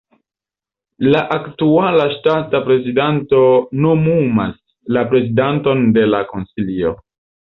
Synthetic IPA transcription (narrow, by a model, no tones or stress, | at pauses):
laʔaktualaʃtatapɾe̞zidanto̞no̞muma̰s | lapɾe̞zidanto̞nde̞lako̞nsilio̰